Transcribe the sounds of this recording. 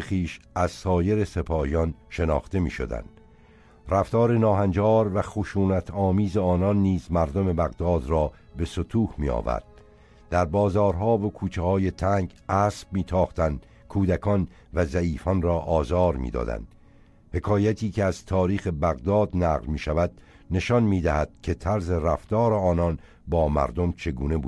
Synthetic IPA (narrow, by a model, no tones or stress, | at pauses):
exiːʃʔæzsɒːje̞ɾe̞se̞pʰɒːijɒnʃe̞nɒ̰ːxt̪e̞mḭːʃo̞̰d̪æ̰nd̪̥ | ræft̪ɒːɾe̞nɒːɦænd͡ʒɒːɾvæχoʃuːnæt̪ʰɒːmiːzeɒːnɒnːiːzmæɾd̪o̞me̞bæɣd̪ɒːd̪ɾɒːbe̞sot̪ʰuːhmḭːɒ̰ːvæ̰ɾd̪̥̚ | d̪æɾbɒːzɒːɾɦɒːvokʰuːt͡ʃʰehɒːje̞t̪ʰæːŋɡæːsb̥miːt̪ʰɒːχt̪ænd̪ | kʰuːd̪ækʰɒn | væzæiːfɒnrɒːʔɒːzɒːɾmḭːd̪ɒ̰ːd̪æ̰nd̪̥ | he̞kʰɒːjæt̪ʰiːcʰeæzt̪ʰɒːɾiːxe̞bæɣd̪ɒːd̪næːɣlmiːʃævæd̪̥̚ | ne̞ʃɒnmiːd̪æhæd̪̥cʰe̞t̪ʰæɾze̞ræft̪ɒːɾeɒːnɒn | bɒːmæ̰ɾd̪o̞mt͡ʃʰe̞ɡuːne̞buːd̪